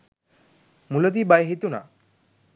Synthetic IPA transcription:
mulod̪ibajɦit̪una̰

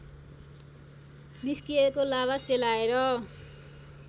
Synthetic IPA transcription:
niskijekolaβaselaeɾʌ

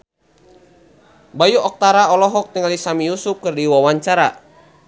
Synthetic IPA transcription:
bajuʔɔk̚t̪aɾaɔlɔɦɔk̚t̪əŋlisamijusup̚kərdiwawaɲt͡ʃaɾa

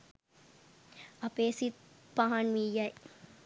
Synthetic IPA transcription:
ɐpeːsit̪paɦɐnʋijːɐj

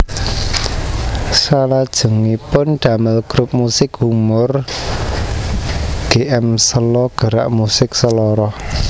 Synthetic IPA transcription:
salad̥ʒ̥ṳŋipʊnɖ̥a̤mɪlɡ̥ɾup̚musɪkhumʊr | ɡ̥eʔɛmsəlɔɡ̥ə̤ɾa̰ʔmusɪksəlɔɾɔh

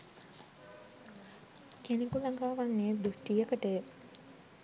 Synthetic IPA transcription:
kenekulaŋɡaːʋanːeːd̪usʈiːəkəʈe

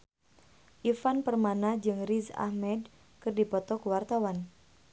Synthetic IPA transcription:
ʔifanpərmanad͡ʒɨŋriza̰hmɛd | kɨrdipɔt̪ɔkəwart̪awan

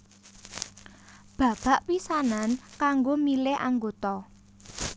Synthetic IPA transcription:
b̥ä̤b̥a̤ʔpisanankaŋɡomilɪʔaŋɡot̪ɔ

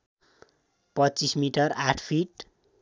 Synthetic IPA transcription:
pʌtːt͡sismiʈʌraʈʰpʰiʈ

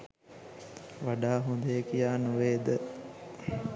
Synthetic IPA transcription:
ʋaɖaːɦond̪əjəkijaːnuʋeːd̪ə

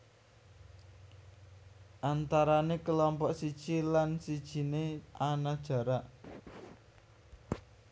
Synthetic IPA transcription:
ʔant̪aɾanekəlɔmpɔʔsid̥ʒ̥ilansid̥ʒ̥i̤neanad̥ʒ̥ä̤ɾaʔ

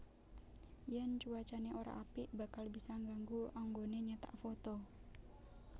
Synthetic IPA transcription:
jɛnt͡ʃuat͡ʃaneʔoɾa̰ʔapibakalbisaŋɡaŋɡuaŋɡoneɲat̪a̰ʔfot̪ɔ

